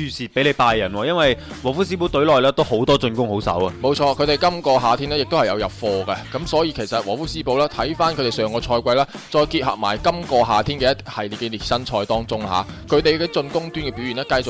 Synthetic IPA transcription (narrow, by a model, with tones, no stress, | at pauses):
yː˨˧siː˨pe˨˥jle˨˧jpaː˧jːɐ˨˩nwɔː˧jɐ˥nwɐ˨j | wɔː˨˩fuː˥s̬iː˥po˨˥wt̪ɵ˨˥ɥlɔː˨jlɛː˥t̪o˥who˨˥wt̪ɔː˥t͡sɵ˧nkʊ˥ŋho˨˥wsɐ̰˨˥wɐ˨mo˨˧wt͡ʃʰɔː˧kʰɵ˨˧t̪e˨˩jkɐ˥mkɔː˧ɦaː˨t̪ʰiː˥nɛː˥jɪ˨k̚t̪o˥whɐ˨jɐ˨˧wjɐ˨˩p̚fɔː˧ɡɐ˧kɐ˨˥msɔː˨˥jiː˨˧kʰe˨˩jsɐ˨t̚wɔː˨˩fuː˥siː˥po˨˥wlɛː˥t̪ʰɐ˨˥jfaː˥nkʰt̪e˨˩sœː˨˩˨ŋkɔː˧t͡ʃʰɔː˧jkʷwɐ˧jlɛː˥ | t͡ʃɔː˧jkiː˧t̚hɦɐ̰˨˩p̚ma̰ː˨˩jkɐ˥mkɔː˧ɦaː˨t̪ʰiː˥nkɛː˧jɐ˥t̪hɐ˨jliː˨t̚kɛ˧liː˨˩t̚sɐ˥nt͡ʃʰɔː˧jt̪ɔː˥ŋt͡sʊ˥ŋha̰ː˨˦kʰɵ˨˧ɥt̪e˨jkɛː˧t͡sɵ˧nkʊ˥ŋt̪yː˥nkɛ˧pi˨˥wɥy˨˩nɛː˥kɐ˧jt͡sʊ˨